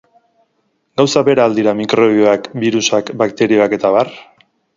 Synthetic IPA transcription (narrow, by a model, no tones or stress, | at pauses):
ɡawsaβe̞ɾaːld̪iɾamikɾo̞βioakbiɾusakbakt̪e̞ɾio̞ake̞t̪aβar